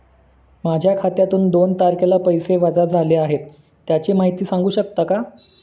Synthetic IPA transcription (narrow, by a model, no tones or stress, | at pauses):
mad͡ʑʱjakʰat̪jat̪uːnd̪ont̪aɾkelapəjseʋad͡zad͡zʱaleaɦet̪ː | jat͡ɕemaɦit̪iːsãŋɡuːɕək̚t̪aka